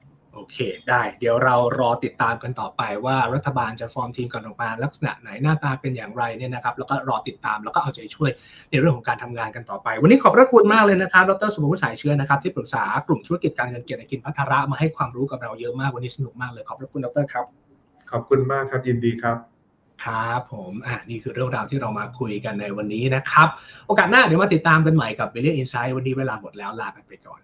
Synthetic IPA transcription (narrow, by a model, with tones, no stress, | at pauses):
ʔoː˧kʰeː˧daː˥˩jdi˨˩˦əwɾa˧wɾɔː˧t̪i˨˩t̪ːaː˧mka˧nt̪ɔː˨˩pa˧jwaː˥˩ɾa˦˥t̪ʰːa˧baː˧nt͡ɕa˨˩fɔː˧mt̪ʰiː˧mkɔː˨˩nlɔː˨˩k̚maː˧la˦˥k̚sa˧na̰˨˩ʔna˩˦jnaː˥˩t̪aː˧pe˧njaː˨˩ŋɾa˧jni˥˩ɐna˦˥kʰa˦˥p̚lɛː˦˥wkɔː˥˩ɾɔː˧t̪i˨˩t̪ːaː˧mlɛ˦˥wkɔ˥˩ʔa˧˩t͡ɕa˩a˧˦t͡ɕʰu˥˩əj | na˧jɾɯ˥˩əŋʰɔ˨˩˦ŋkaː˧nt̪ʰa˧mŋaː˧nka˧nt̪ɔː˨˩pa˧jwa˧nːiː˦˥kʰɔː˨˩pɾa˦˥kʰu˧nmaː˥˩k̚lɤː˧jna˦˥kʰa˦˥p̚dɔ˦k̚t̪ɤː˥˩su˨˩pʰa˧pʰu˦˥saː˩˦jt͡ɕʰɯ˦˥ɐna˦˥kʰa˦˥pt̪ʰiː˥˩pɾɯ˨˩k̚saː˩˦klu˨˩mt̪ʰu˦˥a˧ki˨˩t̪̚kaː˧nŋɤ˧nke˨˩t̪̚ʔa˧˩ki˧npʰa˦˥t̪ʰːaː˧ɾa˦˥ʔmaː˧ɦa˥˩jkʰwaː˧mɾuː˦˥ka˨˩p̚ɾa˧wjɤ˦˥ʔmaː˥˩kwa˧nːiː˦˥sa˧nu˨˩k̚maː˥˩klɤː˧jkʰɔː˨˩pɾa˦˥kʰu˧ndɔ˦˥k̚t̪ɤː˥˩kʰa˦˥p̚ | kʰɔ˨˩p̚kʰu˧nmaː˥˩kʰa˦˥p̚ji˧ndiː˧kʰɾa˦˥p̚ | kʰɾa˦˥pʰːo˨˩˦mʔa˨˩niː˥˩kʰɯː˧ɾɯ˥˩əŋɾaː˧wt̪ʰiː˥˩ɾa˧wmaː˧kʰu˧jka˧nːa˧jwa˧nːiː˦˥na˦˥kʰɾa˦˥p̚ʔoː˧kaː˨˩t̪̚naː˥˩di˨˦wma˧t̪i˨˩t̪ːaː˧mka˧nma˨˩jka˨˩p̚wi˧li˥˩ʔi˧nsa˦˥jwa˧nːiː˦˥weː˧laː˧mo˨˩t̪̚lɛː˦˥wlaː˧ka˧npa˧jkɔ̰ː˨˩n